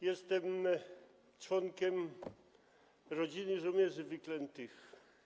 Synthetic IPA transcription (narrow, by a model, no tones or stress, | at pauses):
jɛst̪ɛm | t͡ʂwɔŋkʲɛm | ɾɔd͡ʑinɘʐɔmʲjɛʐɘvɘklɛnt̪ɘx